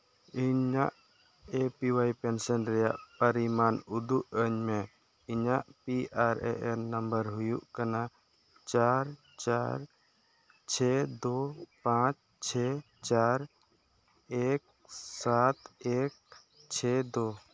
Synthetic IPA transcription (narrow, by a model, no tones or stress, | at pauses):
iɲa̰ʔ | epiwajpɛnsənɾɛja̰ʔpəɾimanud̪uʔəɲmɛ | iɲaʔpiʔaɾɛ̰ʔɛnnːəmbəɾɦʊjuʔkana | t͡ʃaɾ | t͡ʃaɾ | t͡ʃʰɛd̪opãt͡ʃ | t͡ʃʰɛ | t͡ʃaɾ | ek̚ | sat̪ek̚ | t͡ʃʰɛd̪o